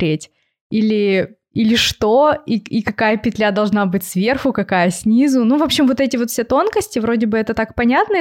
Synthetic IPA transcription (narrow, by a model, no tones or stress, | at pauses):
ɾʲetʲ | ilʲɪ | ilʲɪʂt̪oiikɐkajəpʲɪt̪lʲad̪ɐlˠʐnabɨtʲsvʲe̞rxʊkɐkajəsʲnʲizʊnuvo̞pɕɪmvo̞t̪ɛtʲɪvo̞t̪fsʲet̪o̞nkəsʲtʲɪvɾodʲɪbɨɛt̪ət̪ak̚pɐnʲat̪nə